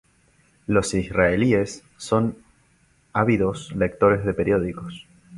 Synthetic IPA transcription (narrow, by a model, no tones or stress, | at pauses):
lo̞sisraeliesː | o̞n | aβiðo̞sle̞k̚t̪o̞ɾe̞zðe̞peɾjo̞ðikos